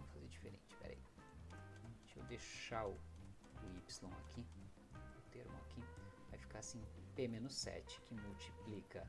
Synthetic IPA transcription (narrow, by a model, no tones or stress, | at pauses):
fazed͡ʒifeɾḛ̃nt͡ʃɪ̥pɛ̰ɾa̰ĩ | t͡ʃḛwd̪eʃaʊ | ʊipslõw̃akʰi | ʊt̪eɾmʊa̰kivajfi̥kaɾasĩpemẽnʊsɛ̰t͡ʃɪ̥kɪmuwt͡ʃi̥plikɐ